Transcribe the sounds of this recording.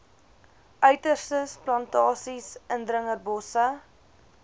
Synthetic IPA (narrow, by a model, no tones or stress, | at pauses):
ʔœɥtərstəsplɐntɑːsisʔəndɾəŋərbɔsə